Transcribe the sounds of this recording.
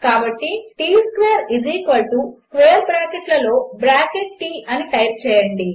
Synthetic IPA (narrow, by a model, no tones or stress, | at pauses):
kaːbɐʈːiʈiːskʋeːɾiziːkʋɐlʈuskʋeːɾbɾaːkeʈlɐlo̞ːbɾaːkeʈ̚ʈiːɐniʈɐjp̚t͡ʃɛːjɐɳɖi